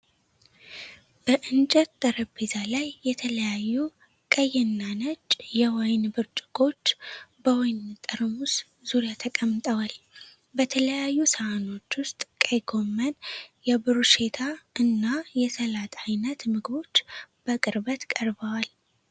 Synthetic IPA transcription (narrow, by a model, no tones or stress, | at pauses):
b̥əʔɨnt͡ʃʼɛt̪̚d̪̥əɾəbezalajːɛt̪ʰələjajːu | kʼəjɛnːanət͡ʃʼjɛwɔjnbɨɾt͡ʃʼɪɡʼo̞t͡ʃːbəwɔjnt̪ʼɨɾmus | zuɾjat̪ʰəkʼəmːt̪ʼəwal | bət̪ʰələjajːusəano̞t͡ʃːwʊst̪ʼkʼajɡo̞mːənjɛbɨɾuʃe̞t̪ʰaʔɨnːajɛsəlat̪ʰʼajnət̪mɨɡbo̞t͡ʃːb̥əkʼɨɾbət̪kʼəɾbəwal